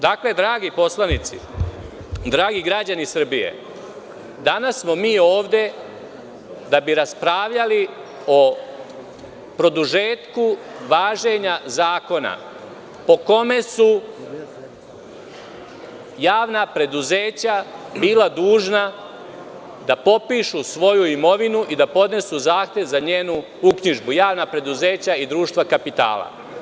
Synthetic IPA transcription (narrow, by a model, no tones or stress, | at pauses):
d̪akle̞d̪ɾaːɡipo̞slˠanit̪sḭ | d̪ɾaːɡiɡɾad͡ʑanisr̩bije̞̰ | d̪anasːmo̞miːo̞ːʋd̪e̞ | d̪abiɾaspɾaːʋʎali | o̞ | pɾo̞d̪uʒeːt̪ku | ʋaːʒe̞ɲazaːko̞na̰ | po̞ko̞me̞su | jaːʋnapɾe̞d̪uze̞ːt͡ɕabiːlad̪uːʒna | d̪apo̞piːʃusʋo̞juimo̞ʋinuʔid̪apo̞d̪ne̞suzaːxt̪je̞ʋzaɲeːnu | ukɲiʒbujaːʋnapɾe̞d̪uze̞ːt͡ɕaid̪ɾuːʃt̪ʋakapit̪a̰ːla̰